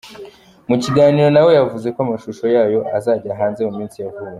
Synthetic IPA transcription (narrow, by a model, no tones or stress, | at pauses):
muciɡaːniːɾo̞nawe̞javuze̞koamaʃuʃo̞jaːjo̞ʔazaːɟaɦaːnze̞mumiːnsijavuwe